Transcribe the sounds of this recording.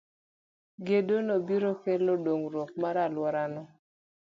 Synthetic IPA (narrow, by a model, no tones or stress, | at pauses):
ɡedonobiɾokelodoŋɾɔk̚maɾalwɔɾanɔ